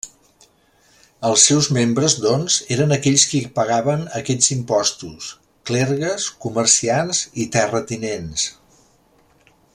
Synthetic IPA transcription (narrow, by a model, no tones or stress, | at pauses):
əlˠsːɛwzmembɾəzd̪ɔnzeɾənəkɛʎskipəɣaβənəkɛʎzimpɔst̪us | klɛɾɣəskumərsianzit̪ɛrət̪inens